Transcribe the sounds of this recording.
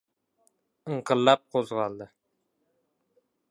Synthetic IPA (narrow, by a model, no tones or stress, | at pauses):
ɨɴqəllːap̚qʰozʁɑlˠd̪ɪ